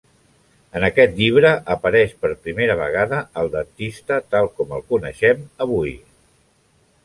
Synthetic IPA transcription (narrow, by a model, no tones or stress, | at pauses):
ənəkɛt̪ʎiβ̞ɾəʔəpəɾɛʃpəɾpɾimeɾəβ̞ə̰ɣ̞aðəəlˠd̪ənt̪ist̪ət̪alˠkɔmə̰lˠkunə̰ʃɛməβuj